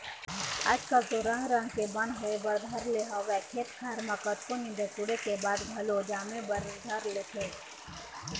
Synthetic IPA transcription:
a̰ːd͡ʒkazoɾãɦɾə̃ŋkebə̃nɦoebɐɾd̪ʱəɾleɦaʋɛkʰeːt̪kʰaɾmakət̪konid̪etuɽekebaːd̪bʱɐlod͡ʒaːmebɐɾd̪ʱɐɾlekʰe

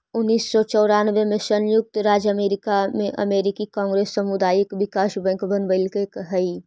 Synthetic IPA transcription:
ʊnːiːsːɔt͡ʃɔːɾanʋemẽsənjʊk̚t̪ɾaːd͡ʒəmeːɾɪkamẽʔə̰meːɾɪkikãːŋɡɾeːsːəmud̪aːjɪkʋɪkaːʃbɛ̃ŋkbənbəɪlkekɦəi

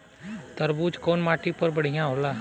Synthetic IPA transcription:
t̪əɾbuːt͡ʃkoːnmaːʈiːpəɾbəɽ̤ɪjãːɦoːlaː

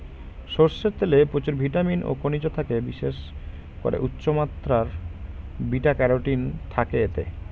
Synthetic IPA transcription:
ʃoɾseɾt̪elepɾot͡ɕuɾbʱiʈaminʔo̰konid͡ʑot̪ʰakebiʃeʃ | ko̰ɾḛʔutːɕomat̪ɾaɾ | biʈakɛɾoʈint̪ʰakeet̪ḛ

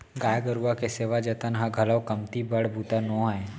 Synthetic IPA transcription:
ɡaːjɡəɾuakeseːʋad͡ʒɐt̪ənɦãɡʱɐləwkɐmt̪ibɐɽbʱut̪anɔ̃ːɦɛ̃ː

